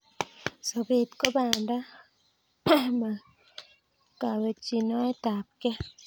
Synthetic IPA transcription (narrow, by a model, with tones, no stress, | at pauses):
so˨be˨tko˦ba˨nda˦ | ma˨ | ka˨we˨t͡ʃi˨nɔ˦e˦ta˨p̚kɛ˦